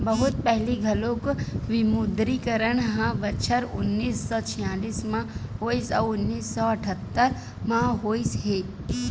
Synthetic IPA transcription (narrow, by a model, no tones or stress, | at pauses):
bəɦʊt̪̚pɛɦliɡʱɐlõkʋɪmʊd̪ɾikəɾənɦãʋət͡ʃʰəɾʊnːiːsːɔt͡ʃʰɪjaːliːsmãɦoːisɔ̰ːʊnːiːsːɔɐʈʰət̪ːəɾ | mãɦoːisɦeː